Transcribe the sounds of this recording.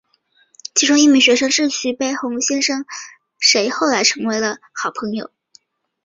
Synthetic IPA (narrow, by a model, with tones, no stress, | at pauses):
t͡ɕʰi˧˥ʈ͡ʂʰʊ˥ŋi˥˩mi˧˥ɕɥɛ˧˥ʂɤ˥ŋʂɻ̩˥˩ɕy˨˥˩pe˥˩ɪxʊ˧˥ŋɕjɛ˥nʂɤ˥ŋ | ʂe˧˥ɪxo˥˩ʊla˧˥ɪʈ͡ʂʰɤ˧˥ŋwe˧˥ɪlə˧ | xɑ˨˩ʊpʰɤ˧˥ŋjo̰˨˧˩ʊ